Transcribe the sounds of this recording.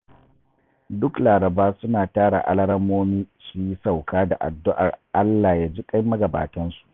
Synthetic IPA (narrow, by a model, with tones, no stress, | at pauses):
dʊ˦klaː˨ɾɐ˨baː˦sʊ˦naː˨taː˦ɽa̰˨ʔa̰˦lɐ˦ɽɐ˦mːoː˦miː˦su˨ji˦sa˨wkaː˦da̰˨ʔa̰˨dːʊ˦ʔa̰˨rʔa˦lːaː˨jaː˦d͡ʒiː˦kʼɐ˦jmɐ˦ɡɐ˨ba̰ː˨tɐ˦nsu̥˨ʔ